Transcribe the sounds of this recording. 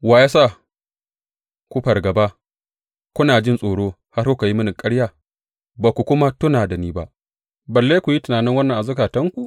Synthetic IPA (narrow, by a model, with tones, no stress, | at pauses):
waː˨˦jaː˦sa˦˨ | kʷu˦ɸɐ˨rɡɐ˨ba˦ | kʷʊ˦naː˨d͡ʒɪ˦˨nsʼoː˨ɽoː˦ | ha˦ɾku˦ka˨ji˦mʊ˦nɪ˨kʼɐ˦ɽjaː˦˨ | baː˨kʷu˨kʷʊ˦ma˦tʊ˦naː˨da˨niː˦ba̰˦ʔ | bɐ˨lːe˦jkʷu˨ji˦tɪ˨naː˨nɪ˦ŋwɐ˦nːɐ˨ŋʔa˨zʊ˦kaː˨tɐ˦ŋkʷu˨ʔ